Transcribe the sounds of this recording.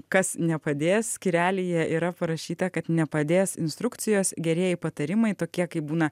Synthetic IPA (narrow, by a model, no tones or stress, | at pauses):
kɐsnʲɛpɐd̪ʲeːsskʲiɾʲæːlʲijɛʔiːɾɐpɐɾɐʃʲiːt̪ɐkɐt̪nʲɛpɐd̪ʲeːsɪ̰nst̪ɾʊkt̪sʲɪjoːsɡʲɛɾʲeɛjɪpɐt̪ɐɾʲɪmɐɪt̪oːkʲiɛkɐɪbuːnɐ